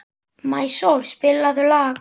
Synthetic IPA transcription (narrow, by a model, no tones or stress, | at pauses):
majsowlspɪlaðʏlaːɣ